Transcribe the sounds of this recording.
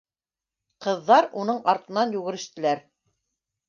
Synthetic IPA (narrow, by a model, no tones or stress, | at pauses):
qɤ̆ðːɑɾunɤɴɑɾt̪ɤ̆nɑnjʉɣɘ̆ɾɘ̆ʃt̪ɘ̆læɾ